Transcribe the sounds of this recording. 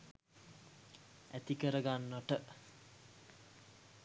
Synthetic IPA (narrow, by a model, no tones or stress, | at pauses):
æt̪ikəɾəɡanːəʈə